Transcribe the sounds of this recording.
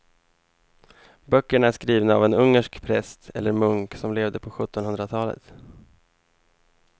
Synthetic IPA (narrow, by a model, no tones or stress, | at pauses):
bœkːəɳæʂkɾiːvnaavɛnɵŋːəʂkpʰɾɛst̪ʰɛ̰lːəɾmɵŋksɔmleːvd̪əpʰɔɧɵt̪ːɔnhɵnd̪ɾat̪ʰɑːlə̰t̪